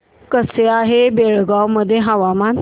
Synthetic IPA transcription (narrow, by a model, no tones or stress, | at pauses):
kəseaɦebeɭɡawməd̪ʱːjeɦəʋaman